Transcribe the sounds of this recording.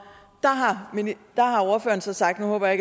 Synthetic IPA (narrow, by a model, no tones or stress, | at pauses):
d̥ɑ̈ɦɑmid̥ɑ̈ɦɑ̈oɐfø̰ːɐn̩sɒ̽sɑ̈ɡ̥̚d̥nuhɔ̽ːb̥ɐjɑe̝ɡ